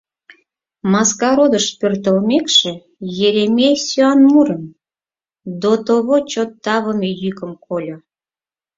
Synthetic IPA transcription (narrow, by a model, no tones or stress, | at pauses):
mɑskɑɾod̪əʃpørt̪əlmekʃĕ | jeɾemesyɑnmuɾəm | d̪ot̪oβot͡ɕot̪ːɑβəmejykəmkʰolʲo